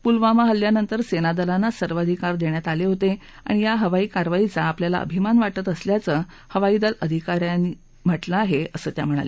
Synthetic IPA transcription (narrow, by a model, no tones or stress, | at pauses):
pulʋamaɦəlːjanənt̪əɾsenad̪əlanːasəɾʋad̪ʱikaɾd̪eɳjat̪aleɦot̪e | a̰ɽ̃ijaɦəʋaiːkaɾʋait͡saːpljala̰ʔə̰bʱimanʋaʈət̪əsljat͡sə | həʋaiːd̪ələd̪ʱikaɾjani | m̤əʈlaːɦeəsəːt̪jam̤əɽ̃a̰le